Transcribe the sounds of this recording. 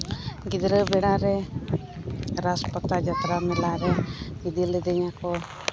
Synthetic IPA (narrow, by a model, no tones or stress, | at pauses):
ɡid̪ɾəbɛɽaɾɛ | ɾaspɔt̪ːad͡ʒat̪ɾamɛlaɾɛid̪ilɛd̪ɛɲakɔ